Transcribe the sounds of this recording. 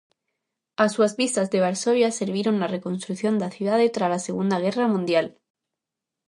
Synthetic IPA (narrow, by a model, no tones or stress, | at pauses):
asuazβist̪azðe̞β̞aɾsoβjase̞ɾβiɾo̞nːare̞konst̪ɾukθjo̞nd̪aθjuðaðet̪ɾalaseɣ̞und̪aɣ̞e̞ramũnd̪jal